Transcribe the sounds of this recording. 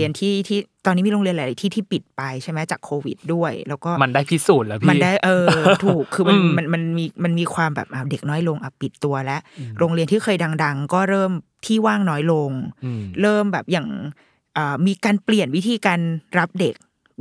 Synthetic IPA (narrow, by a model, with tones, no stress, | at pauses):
i˧ənt̪ʰiː˥˩t̪ʰiː˥˩t̪ɔː˧niː˦˥miː˧ɾo˧ŋli˧ənla˨˩˦la˨˦jt̪ʰiː˥˩t̪ʰiː˥˩pi˨˩t̪̚pa˧jt͡ɕʰa˥˩mɛ˦˥t͡ɕaː˨˩kʰːoː˧wḭ˨˩t̪̚du˥˩ɐjlɛː˦˥wkɔː˥˩ma˧ndaː˥˩jpʰi˦˥˩suː˨˩t̪̚lɛ˦˥pʰma˧˥˩daː˥˩jʔɤː˧t̪ʰuː˨˩kʰːɯː˧m˧nma˧nma˧nmiː˧ma˧nmiː˧kʰwaː˧mbɛ̰˨˩p̚ʔaː˧˩wde˨˩k̚nɔː˦˥jlo˧ŋʔa˨˩pi˨˩t̪ːu˧ɐlɛ˦˥ʔɾoː˧ŋɾi˧ənt̪ʰiː˥˩xʰɤː˧jda˧ŋda˧ŋkɔː˥˩ɾɤː˥˩mt̪ʰiː˥˩waː˥˩ŋnɔː˦˥jlo˧ŋɾɤː˥˩mbɛː˨˩p̚jaː˨˩ŋ | ʔɤː˨˩miː˧kaː˧npli˨˩ənwi˦˥t̪ʰiː˧kaː˧nɾa˦˥p̚de˨˩k̚